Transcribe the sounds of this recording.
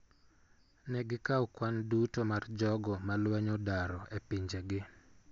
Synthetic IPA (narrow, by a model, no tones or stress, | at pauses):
nɛɡɪkaukwandutomard͡ʒɔɡɔmalwɛɲodaɾɔepiɲd͡ʒeɡɪ